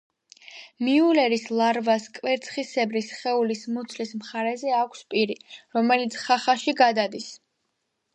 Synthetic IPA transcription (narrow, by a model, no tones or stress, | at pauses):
miulɛɾislˠaɾvaskʼwɛɾt̪sʰχisɛbɾisχɛulismɔt̪sʰlismχaɾɛzɛakʷʰspʼiɾiɾɔmɛlit̪sʰχaχaʃiɡad̪ad̪is